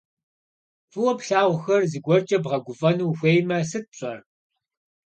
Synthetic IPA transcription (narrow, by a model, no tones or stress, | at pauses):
fʼɨwɔpɬaːʁʷxɐrziːɡʷɔrt͡ʃʼɐbʁɐɡʷʊfʼɐnuːxʷeːjmɐsɨt̚pɕʼɐr